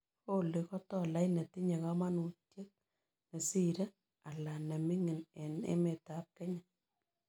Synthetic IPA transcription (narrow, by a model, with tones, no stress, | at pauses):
ko˦le˨kɔ˦tɔ˦la˦jnɛ˨ti˦ɲɛ˨ka˦ma˦nu˨tje˦k̚ | nɛ˨si˦ɾɛ˦ | a˨la˨nɛ˨mi˦ŋɪ˨ne˨nḛ˦me˨ta˨p̚ke˦ɲa˨